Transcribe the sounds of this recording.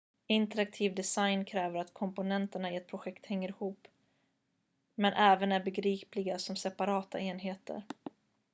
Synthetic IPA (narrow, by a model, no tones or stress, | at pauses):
ɪnt̪əɾak̚t̪ʰiːvd̪ɛsajnkʰɾɛːvəɾat̪kʰɔmpʊnɛnt̪əɳaɪɛt̪̚pʰɾʊɧɛkt̪hɛŋːəɾɪhuːpː | mɛnʔɛːvənæɾbɛɡɾiːplɪɡasɔmsɛpaɾɑːt̪a̰eːnɦeːt̪ə̰ɾ